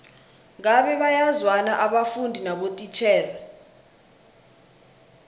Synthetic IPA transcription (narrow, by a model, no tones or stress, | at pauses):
ŋaɓɛɓajazwanaʔaɓafundʱinaɓotʼit͡ʃʰɛːla